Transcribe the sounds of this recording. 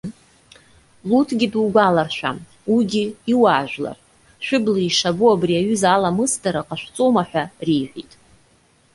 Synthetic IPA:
lutʰɡʲiduɡʷalarʃʷᶣa̰ | wiɡʲiiwaːʒᶣʷla̰r | ʃʷᶣʊblaiʂabuabriaɥʏzalamɨsdaɾaqʼaʃᶣʷt͡sʼomaħʷᶣarijħʷᶣitʼ

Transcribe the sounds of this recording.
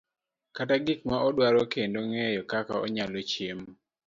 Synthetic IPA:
kataɡɪk̚maɔdwaɾokendoŋɛjɔkakaɔɲalot͡ʃem

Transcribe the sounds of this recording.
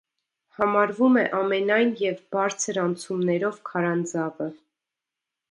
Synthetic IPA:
hɑmɑɾvumɛʔɑmɛnɑjnjɛvbɑɾt͡sʰəɾɑnt͡sʰumnɛɾɔvkʰɑɾɑnd͡zɑvə

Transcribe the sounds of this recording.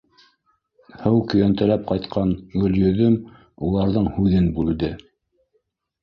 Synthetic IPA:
hɤwkɵ̆jænt̪æ̆læp̚qɑjt̪qʰɑnɡɵ̆ljɵ̆ðɵm | ulˠɑɾðɤɴhʉðɘnbʉld̪ɘ

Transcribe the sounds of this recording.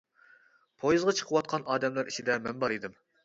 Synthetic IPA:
pʰojɨzʁɑt͡ʃʰə̥qʰəwɑt̪̚qʰɑnɑːd̪ɛmlæɾit͡ʃʰɪd̪ɛmɛnbɑɾid̪ɨm

